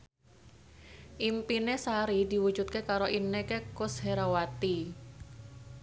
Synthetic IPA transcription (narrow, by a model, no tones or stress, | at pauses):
ʔimpinesaɾid̪i̤wu̥d͡ʒut̪̚kekaɾoʔinːekekʊsheɾawat̪i